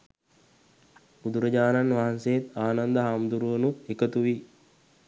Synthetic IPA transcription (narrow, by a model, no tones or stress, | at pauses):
ud̪uɾəɟaːnanʋaɦansejet̪aːnand̪əɦamd̪uɾuʋənuekət̪uʋi